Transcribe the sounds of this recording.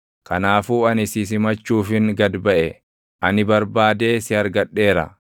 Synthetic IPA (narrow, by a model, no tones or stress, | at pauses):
kʰɐnaːfuːɐnɪsɪs̬ɪmɐt͡ʃːuːfɪŋɡɐd̪bɐʔɛ | ʔɐnɪbɐɾbaːd̪e̞ːsɪɐɾɡɐᶑːe̞ːɾɐ̰